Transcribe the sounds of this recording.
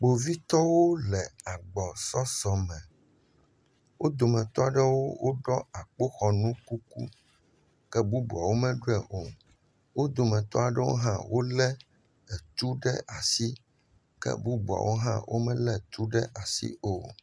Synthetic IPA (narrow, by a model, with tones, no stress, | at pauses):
k͡po˨vi˦t̪ɔ˦wo˦lɛ˨a˨ɡ͡bɔ˨sɔ˦sɔ˨mɛ̃˨ | wʔo˦d̪o˨mɛ̃˨t̪ɔ˦a˨ɖɛ˦wo˦wo˦ɖɔ˦a˨k͡po˦xɔ˨nũ˦ku˦kṵ˦ | kɛ˦bu˦bṵ˨a˨wo˦mɛ̃˦ɖo˦ɛ˨ʔo˨ | wo˦d̪o˨mɛ̃˨t̪ɔ̰˦a˨ɖɛ˦wo̰˦ɦã̰˦wʔo˦lɛ˦ | ɛ˨t̪u˦ɖɛ˦a˨si˦ | kɛ̰˦bu˦bu˨a̰˨wʔo˦ɦã̰˦wʔo̰˦mɛ̃˦lɛ˦t̪u˦ɖɛ˦ʔa˨sḭ˦o˨